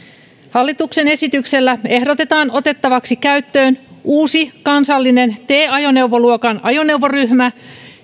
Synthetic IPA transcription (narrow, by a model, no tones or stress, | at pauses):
hɑlːit̪ukse̞ne̞sit̪ykselːæe̞hdot̪e̞t̪ɑːno̞t̪e̞t̪ːɑʋɑksikæyt̪ːøːnuːsikɑnsɑlːine̞nt̪e̞ːɑjo̞ne̞uʋoluokɑnɑjo̞ne̞wʋoryhmæ